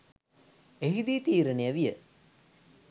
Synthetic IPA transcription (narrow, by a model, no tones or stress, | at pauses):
eɦid̪it̪iːɾənejəʋijə